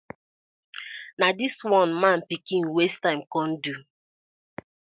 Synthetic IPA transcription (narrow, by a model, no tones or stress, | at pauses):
nadiswɔ̃nmãnpikĩnwestãɪ̃mkɔ̃n̩du